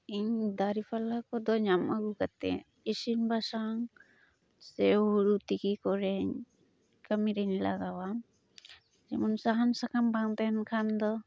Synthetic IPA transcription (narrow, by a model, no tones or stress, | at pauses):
iɲd̪aɾipʰalakɔd̪ɔɲamʔaɡukat̪ɛ̰ | isinbasaŋ | sɛuɾut̪ikikɔɾɛɲ | kəmiɾɛɲla̰ɡawam | d͡ʒɛmɔnsaɦansakambaŋt̪ɛnkʰand̪ɔ